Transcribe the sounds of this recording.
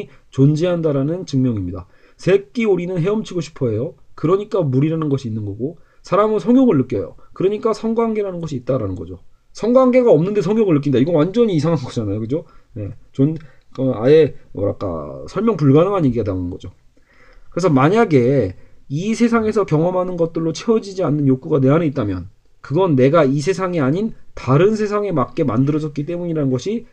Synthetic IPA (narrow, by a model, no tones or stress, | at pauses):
i | t͡ɕond͡ʑiɦandaɾanɯnt͡ɕɯŋmjʌŋimɲida | sʰe̞k͈iuɾinɯnɦe̞ʌmt͡ɕʰiɡoɕʰi̥pʰʌejokɯɾʌɲik͈amuɾiɾanɯnɡʌɕʰiːnːɯnɡʌɡo | sʰaɾamɯnsʰʌŋjoŋɯɭːɯk͈jʌjo̰kɯɾʌɲik͈asʰʌŋɡwaŋɡe̞ɾanɯnɡʌɕʰiːt̚t͈aɾanɯnɡʌd͡ʑo | sʰʌŋɡwaŋɡe̞ɡaʌmnɯnde̞sʰʌŋjoŋɯɭːɯk̬͈inidaiɡʌnwand͡ʑʌɲiːsʰaŋɦanɡʌd͡ʑanajokɯd͡ʑone̞t͡ɕon | kʌa̰e̞mʌ̰ɾa̰k͈a̰sʰʌɭmjʌŋpuɭɡanɯŋɦanje̞ɡiɡadanɯnɡʌd͡ʑo | kɯɾe̞s̬ʰʌmaɲaɡe̞ | isʰe̞sʰaŋe̞sʰʌkjʌŋʌmɦanɯnɡʌt̚t͈ɯɭːot͡ɕʰeʌd͡ʑid͡ʑianːɯnjok͈uɡane̞ɦanɯit̚t͈amjʌ̰n | kɯɡʌnːe̞ɡais̬ʰe̞sʰaŋiaɲintaɾɯnsʰe̞sʰaŋe̞mak̚k͈e̞mandɯɾʌd͡ʑʌt̚k͈it͈e̞muɲiɾanɯnɡʌɕʰi